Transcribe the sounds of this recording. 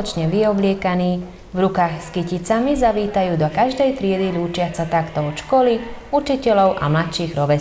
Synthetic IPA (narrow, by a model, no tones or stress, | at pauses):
ɔt͡ʃɲɛʋiɔblɪɛkaniː | vɾukaːxskicit͡samizaʋiːt̪ajuːd̪ɔkaʒd̪ɛjt̪ɾɪɛd̪iluːt͡ʃɪat͡sat̪akt̪ɔɔt͡ʃkɔliut͡ʃicɛlɔʊʔa̰mlat̪ʃiːɣɾɔʋɛ